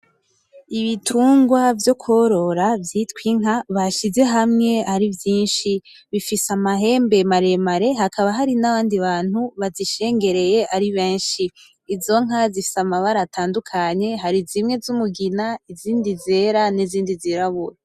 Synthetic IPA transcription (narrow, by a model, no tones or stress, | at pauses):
iβitʰuːŋɡwavjo̞kʰo̞ɾo̞ɾavjitwiŋ̥aβaʃize̞ɦamŋe̞aɾivjiːnʃi | βifisamaɦe̞ːmbe̞maɾe̞maɾe̞hakʰaβaɦaɾinaβaːndiβaːn̥huβaziʃe̞ːŋɡe̞ɾe̞je̞ʔaɾiβe̞ːnʃiː | zo̞ŋ̥azifi̥samaβaɾatʰaːndukʰaɲe̞ɦaɾizimŋe̞zumuɡinaiziːndizeːɾaniziːndiziɾaβuɾe